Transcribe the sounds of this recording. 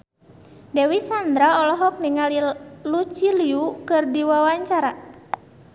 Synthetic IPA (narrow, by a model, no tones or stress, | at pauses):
dɛwisand̪ɾaɔlɔɦɔk̚niŋalilut͡ʃiliukɨrdiwawaɲt͡ʃaɾa